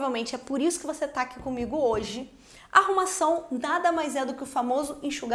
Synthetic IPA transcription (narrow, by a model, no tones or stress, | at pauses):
vewmẽnt͡ʃɪɛpoɾisʊ̥kɪvoset̪akɪkõmiɡʊoʒɪ | a̰ahumasɐ̃w̃nad̪ɐmajzɛd̪ʊkɪʊfamozʊĩʃuɡ